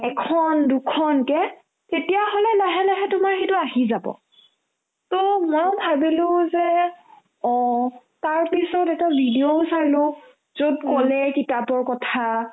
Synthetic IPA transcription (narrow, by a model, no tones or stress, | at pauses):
ɛkʰɔndukʰɔnkɛ | tetijaɦolɛlaɦɛlaɦɛtʊmaxetʊaɦizabɔ̰ | tɔmɔbʱabilʊzɛ | ɔ̃ | taɹpisɔtɛtabʱidiousaɹilʊ | z̥odkɔlɛkitapɔɹkɔtʰa